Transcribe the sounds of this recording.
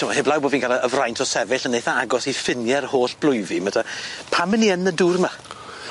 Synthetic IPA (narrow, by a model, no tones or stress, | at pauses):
tʰəmahɪblˠawboːdvinkʰalˠəəvrajntʰɔsɛvɪɬənːejθaaɡɔsifɪnjɛrhoːɬb̥lˠʊjvimatʰapʰamənːiənːəduːrma